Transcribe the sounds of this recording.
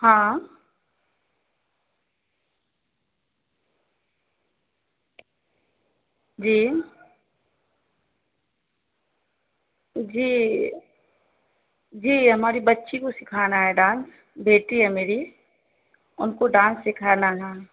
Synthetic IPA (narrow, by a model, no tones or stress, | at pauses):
hãː | d͡ʒiː | d͡ʒiː | d͡ʒiːɦɐmaːɾibɐtːʃikosɪkʰaːnaɦɛɖãːns | beːʈiɦɛmeːɾi | ʊnkoɖãːnsːɪkʰaːnaɦɛː